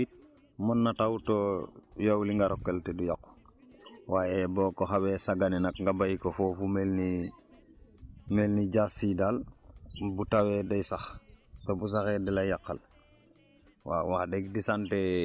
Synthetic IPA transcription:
monːatawtojowliŋɡaɾokːeltedujak | wajebokoxawesaɡanenakŋɡabajikofofumelni | melniɟasidal | butawedajsaxtobus̬axedilajakːa̰l | wa̰wadeɡ̚disante

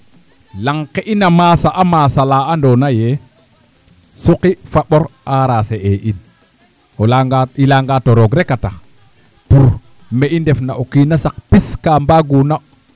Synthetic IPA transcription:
laŋkeʔinamaːsaʔamaːsalaːandonaje | suqifaɓoɾaɾaːseʔeʔin | aailaŋɡatoɾoɡɾekata | puɾ | meʔindefnaʔokinasak̚piskambaɡuna

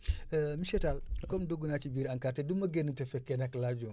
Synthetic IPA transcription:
miʃɛtalkɔmdoɡunat͡ʃibiːɾaŋkaːɾtedumɐɡenutɛfɛkːɛnaklaɟu

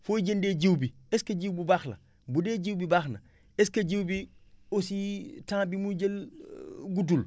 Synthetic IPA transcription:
foɟendeːɟiwbieskɐɟiwbubaxlɐ̰ | budeɟiwbibaxnɐ̰ | eskɐɟiwbiositãːbimuɟel | ɡut̬ul

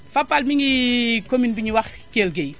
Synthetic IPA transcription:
fɐpːalmiŋɡikominbiɲiwɐx | keːlɡej

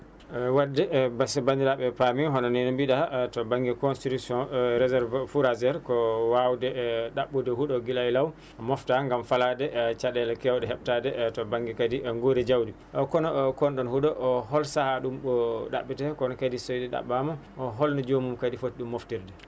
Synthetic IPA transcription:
wadːɛbasɛbandiɾaɓɛpamiɦɔnɔnɛnmbiɗatɔbaŋɡɛkɔnstitusɔ̃ɾɛzɛɾvfuɾazɛɾkɔwawdɛɗaɓːudɛhuɗɔɡilajlaw | mɔftaŋɡamfaladɛt͡ʃaɗɛlkɛwdɛɦɛɓ̚tadɛtɔbaŋɡɛkadiŋɡoɾid͡ʒawdi | ʔɔkɔnɔkɔnɗɔnhuɗɔʔɔɦɔlsahaɗumɓɔɗa̰ɓːitɛkɔnɔkadisojdɛɗa̰ɓːama | ɔɦɔlnad͡ʒomumkadifotɗumːoftiɾdɛ

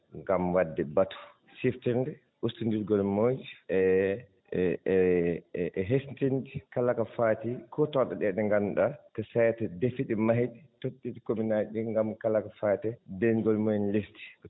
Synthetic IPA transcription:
ŋɡamwadːɛbatɔ̥ | siftindɛ | ʔustindiɾɡɔlmod͡ʒiʔɛ | ɦestindikalakafaːtikʰɔtɔɗɛɗɛɗɛŋɡanɗatɔsajtɛdefiɗimaɦiɗɛtotːid͡ʒikominaɗiŋɡamkalakafaːtɛdɛnɡɔlmonlisti̥

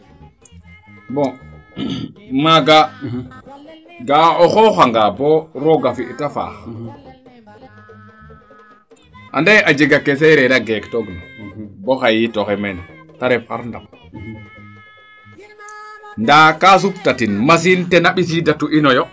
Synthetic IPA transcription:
bɔ | maɡa | ɡaɔxɔxaŋɡabɔɾɔɡafiʔtafa̰ | ʔa̰ndajad͡ʒiɡakɛsɛɾɛɾaɡɛktɔɡnibɔxajitɔxɛmɛn | taɾɛfa̰ɾndam | ndakas̬uptatinmas̬intɛnaɓis̬idatuʔinɔjɔ

